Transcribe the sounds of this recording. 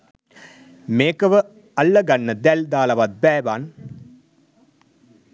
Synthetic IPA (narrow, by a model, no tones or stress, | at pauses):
meːkəʋə | ɐlːəɡanːəd̪æld̪aːlɐʋat̪̚bæːʋaːn